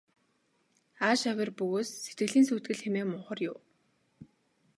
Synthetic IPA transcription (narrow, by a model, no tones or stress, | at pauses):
aːʃawʲɪ̆rpɵɣoːsːet̪̚ɡɘ̆ɮiːnsuːt̪ɡɘ̆ɮxemeːmʊɴχə̆rjʊw